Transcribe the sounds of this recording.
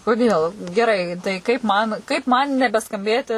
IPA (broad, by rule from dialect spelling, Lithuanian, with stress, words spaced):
koːˈdʲeːlˠ ɡʲɛˈrɐɪ tɐɪ kɐɪp ˈmɐn kɐɪp ˈmɐn nʲɛbʲɛskɐmʲˈbʲeːtʲɪ